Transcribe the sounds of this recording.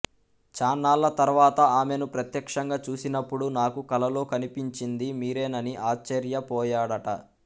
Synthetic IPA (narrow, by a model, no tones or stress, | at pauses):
t͡ʃaːnaːlːɐt̪ɐɾʋaːt̪ɐaːme̞nupɾɐt̪jɐkʂɐŋɡaːt͡ʃuːsinɐpːuɽunaːkukɐlɐloːkɐnipiɲt͡ʃind̪imiːɾeːnɐniʔaːt͡ʃːɐɾjɐpɔːjaːɽɐʈɐ̰